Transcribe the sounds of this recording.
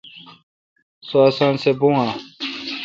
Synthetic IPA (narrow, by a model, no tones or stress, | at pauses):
soasãːnsebũa